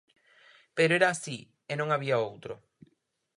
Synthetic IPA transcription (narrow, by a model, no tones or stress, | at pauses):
peɾoeɾaːsi | enõŋaβ̞iaowt̪ɾo